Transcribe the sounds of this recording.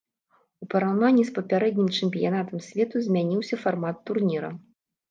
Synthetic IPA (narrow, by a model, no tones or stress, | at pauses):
upɐɾawnanʲːispɐpʲaɾɛd̪ʲnʲimt͡ʂɨmʲpʲijanat̪ɐmsʲvʲɛt̪uzʲmʲanʲiwsʲɐfarmat̪ːurnʲiɾɐ̰